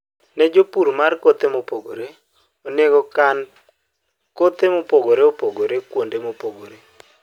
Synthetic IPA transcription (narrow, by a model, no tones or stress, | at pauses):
nɛd͡ʒopuɾmarkot̪emopoɡoɾe | oneɡɔkan | kot̪emopoɡoɾeopoɡoɾekwondemopoɡoɾe